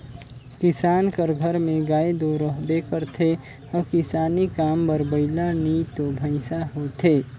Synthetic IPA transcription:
kɪsaːnkəɾɡʱəɾmẽɡaːed̪oɾəɦbekəɾt̪ʰe | ɔːkɪsaːnikambəɾbəɪlanit̪obʱəɪsaɦot̪ʰe

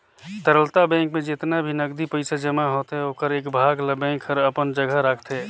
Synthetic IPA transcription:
t̪əɾəlt̪abɛ̃ŋkmẽd͡ʒɪt̪nabʱinəɡd̪ipəɪsad͡ʒəmaɦoːt̪ɦɛoːkəɾeːkbʱaːɡləbɛ̃ŋkʰəɾəpənd͡ʒəɡʱəɾakʰt̪ɦɛ

